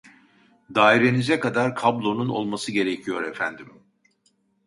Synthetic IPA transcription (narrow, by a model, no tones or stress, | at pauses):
d̪aːiɾe̞nizɛkad̪aɾkʰablˠo̞nuno̞̰lˠmasɯɟe̞ɾecʰijo̞ɾefænd̪im